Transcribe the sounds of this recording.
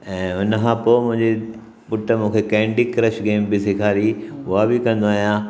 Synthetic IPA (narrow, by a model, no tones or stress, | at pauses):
ɛ̃ːʊnəkʰãːpoːmʊ̃ɦɪ̃ɲd͡ʑe | pʊʈəmũːkʰekɛ̃ːɳɖɪkːɾɐʃɡeːmbɪsɪkʰaːɾiʊɦabɪkɐ̃n̆d̪oaːɦijãː